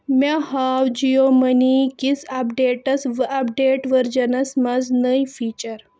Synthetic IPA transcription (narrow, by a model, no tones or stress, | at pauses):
mahawd͡ʑijomənikit͡sɐpɖeʈəsʋɐpɖeʈʋəɾd͡ʑənasmad͡znəjfiːt͡ɕəɾ